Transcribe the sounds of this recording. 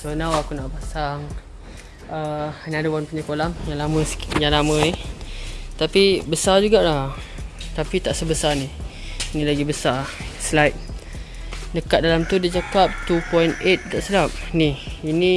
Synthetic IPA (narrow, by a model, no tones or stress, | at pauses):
sonawakunaʔpasaŋ | ənadəwanpuɲakolamjaŋlamə̃sjaŋlamə̃ɛ | t̪apibəsad͡ʒuɡaʔlah | t̪apit̪aʔsəbəsani | inĩlaɡibəsar | səlajt̪̚ | nəkat̪̚dalamt̪udit͡ʃakap̚t̪upɔinet̪̚daʔsəlap̚niini